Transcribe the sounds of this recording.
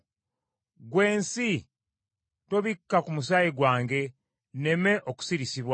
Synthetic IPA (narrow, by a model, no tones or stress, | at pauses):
ɡwe̞ːnsi | to̞βikːakumus̬ajiɡwaːŋɡe̞ | ne̞me̞ʔoku̥siɾisiβwa